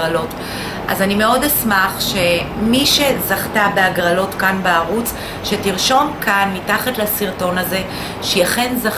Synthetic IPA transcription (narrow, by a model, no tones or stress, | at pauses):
alo̞t | ʔa̰zanime̞o̞desmaχʃe̞miʃezaχtabeaɡʁalo̞tkanbeaʁut͡s | ʃetiʁʃo̞mkʰanmitaχatlasiʁto̞naze̞ | ʃejaχenza